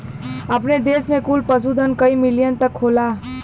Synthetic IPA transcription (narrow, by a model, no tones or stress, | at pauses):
ɐpned̪eːsmẽkulpɐsud̪ənkɐimɪlijənt̪ɐkʰːoːlaː